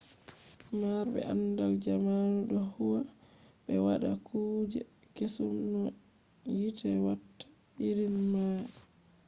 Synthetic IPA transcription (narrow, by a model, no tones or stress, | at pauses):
maɾbɛ̰ʔandald͡ʒamanuɗɔhuwa | ɓɛwaɗakʰuːd͡ʒɛ | kesumnɔ | jitʰɛwatːḁ | ɓiɾinmaj